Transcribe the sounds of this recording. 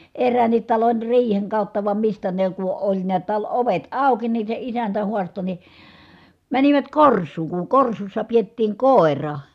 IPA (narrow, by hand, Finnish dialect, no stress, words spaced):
erːæːnːit tɑlon riːheŋ kɑˑutːɑ ʋɑm mistæ ne ku olʲ niæt tɑl oʋet ɑˑuki nin̞ se isæntæ huɑsto ni mæniʋæt korsˑuːŋ kuŋ korsusːɑ pietːiːŋ koˑerɑ